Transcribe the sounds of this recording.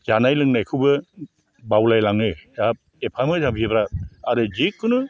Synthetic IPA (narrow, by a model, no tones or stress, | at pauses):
zanajlɯŋnajkʰɯwbɯ | bawlajlaŋnɯjab̚ | epʰamɯzambʰʱibɾaaɾɯzikʰːɯnɯ